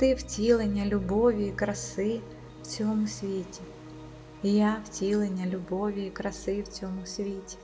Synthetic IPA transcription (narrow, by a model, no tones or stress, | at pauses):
t̪ɪwtʲilˠenʲɐlʲʊbɔʋʲiikɾɐsɪ | w̥t͡sʲɔmʊsʲʋʲetʲɪ | ijawtʲilˠenʲɐlʲʊbɔʋʲiikɾɐsɪwt͡sʲɔmʊsʲʋʲetʲɪ̥